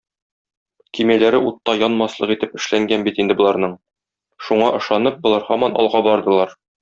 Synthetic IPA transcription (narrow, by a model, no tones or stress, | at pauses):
kimælæɾɘʔut̪ːɑjɒnmɑslˠɤqit̪ɘpɘ̆ʃlæŋɡænbit̪ind̪ɘbŏlˠɑɾnɤɴ | ʃuɴɑʔɤ̆ʃɑnɤp̚bŏlˠɑɾhɒmɑnɒ̰lˠʁɑbɒɾd̪ɤ̆lˠɑɾ